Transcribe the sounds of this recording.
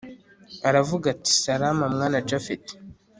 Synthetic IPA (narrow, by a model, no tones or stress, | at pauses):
aɾavuɡati̥saɾamamŋaːnad͡ʒafet